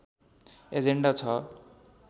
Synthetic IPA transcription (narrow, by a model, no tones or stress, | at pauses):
ed͡zeɳɖat͡sʰʌ